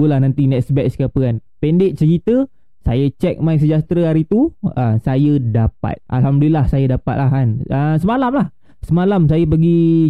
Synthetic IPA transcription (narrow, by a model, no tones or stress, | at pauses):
ulahnant̪inɛtsbɛkskapəanpɛndeʔ̚t͡ʃəkit̪ə | sa̰jət͡ʃɛk̚maiŋs̬əd͡ʒat̪ɾəaɾit̪uəsajədapa̰t̪̚a̰lɦamdəlilːahsajədapa̰t̪̚laɦanəsəmalamlah | səmalams̬ajəp̬əɡi